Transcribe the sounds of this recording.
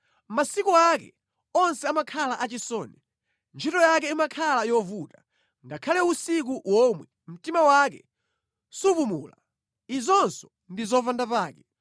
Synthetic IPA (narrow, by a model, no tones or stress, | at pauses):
masikuakɛ̰ | ɔnsɛamakʰalaʔat͡ʃisɔːnɛ | nt͡ʃʰitɔjak̬ɛimakʰalajɔvuta | ŋɡakʰalɛusik̬uwɔmwɛ | m̩timawakɛ̰ | supumṵːla̰ | izɔnsɔ̥ | ndizɔvandapaːkɛ